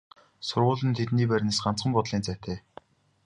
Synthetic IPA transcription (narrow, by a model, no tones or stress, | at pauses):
sʊrʁʊːɮə̆nt̪ʰet̪niːp̬æɾʲn̆sɢan̥t͡sɢə̆mpɔt̪ɮiːnt͡sæt̪ʰeː